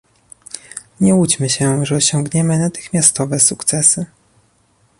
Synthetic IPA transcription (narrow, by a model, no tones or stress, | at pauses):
ɲɛut͡ɕmɘɕɛʐɛɔɕɔ̃ŋɡɲɛmɘnat̪ɘ̥xmʲjast̪ɔvɛsukt̪sɛsɘ